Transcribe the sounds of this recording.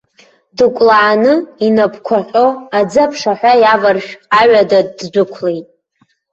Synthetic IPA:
dɨkʷʼlaːnɨinapʰkʷʰaqʲʼoad͡zapʰʂaħʷᶣajavarʃᶣaɥadaːd͡zʷʊkʷʰlejtʼ

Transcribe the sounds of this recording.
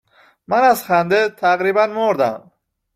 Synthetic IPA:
mænæzxænd̪et̪ʰæɣɾiːbænmoɾd̪æ̰m

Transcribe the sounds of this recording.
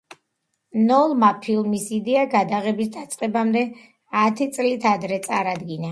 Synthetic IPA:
nɔlˠmapʰilˠmisid̪ɛaɡad̪aʁɛbisd̪at̪sʼqʼɛbamd̪ɛ | at̪ʰit̪sʼlit̪ʰad̪ɾɛt̪sʼaɾad̪ɡina

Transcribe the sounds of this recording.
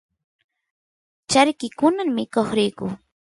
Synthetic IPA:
t͡ʃaɾkɪkʊnaŋmɪkoχɾɪjkʊ

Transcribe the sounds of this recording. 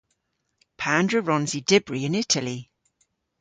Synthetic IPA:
pʰandɹəɹɔ̃nzidɪbɹiɪ̃nɪtʰəli

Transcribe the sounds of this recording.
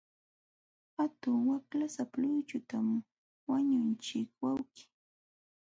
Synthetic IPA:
hat̪ʊŋwaklasaplʊt͡ʃʊt̪am | waɲʊnt͡ʃɪkwawkɪ̥

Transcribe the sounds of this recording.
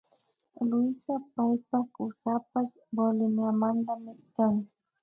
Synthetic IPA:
lʊjsapajpakʊsapaʃ | bolɪmjamant̪amɪɾkaŋ

